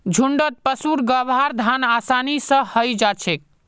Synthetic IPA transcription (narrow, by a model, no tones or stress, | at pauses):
d͡ʒʱuɳɖət̪̚pəsuɾɡəbʱaɾd̪ʱanasanisə̃həjd͡ʒat͡ʃʰek̚